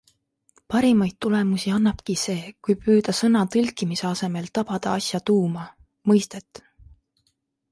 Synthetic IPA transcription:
pɑɾimɑjd̪̥̚t̪ːule̞musiɑnːɑb̥kise̞ːkujpyːd̪̥ɑsɤnɑt̪ɯlʲkːˑimiseɑse̞me̞lt̪ɑb̥ɑd̪̥ɑɑsʲjɑt̪uːmɑ | mɤjst̪e̞t̪ːˑ

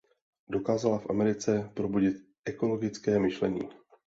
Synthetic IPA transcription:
do̞kaːzalafʔa̰mɛɾɪt͡sɛpɾo̞buɟɪt̪ | ʔɛko̞lo̞ɡɪt͡skɛːmɪʃlɛɲḭː

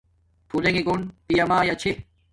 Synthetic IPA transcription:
t̪ʰuleŋiɡonpijɐmaːjat͡ɕʰe

